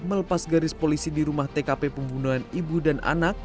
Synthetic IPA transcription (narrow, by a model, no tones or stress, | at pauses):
mələpasɡaɾɪspolisidiɾumaht̪ekapepəmbunuɦanibudanʔa̰nak̚